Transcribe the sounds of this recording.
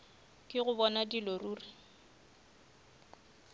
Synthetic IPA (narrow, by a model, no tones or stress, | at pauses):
kʼɪɣʊbɔnadiloruːri